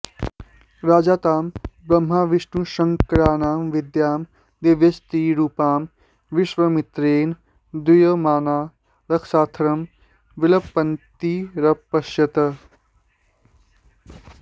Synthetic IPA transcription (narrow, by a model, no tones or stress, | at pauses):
ɾaːd͡ʒaːt̪aːmbɾɐmɦaːʋɪʃnuʃɐŋkɐɾaːnaːmʋɪd̪jaːm | d̪eːʋjɐst̪iːɾuːpaːm | ʋɪʃʋɐmɪt̪ɾeːn | d̪ujɐmaːnaː | ɾɐkʰsaːt̪ʰɐɾɐm | ʋɪlɐbpːɐnt̪iɾɐpːɐʃjɐt̪ɐ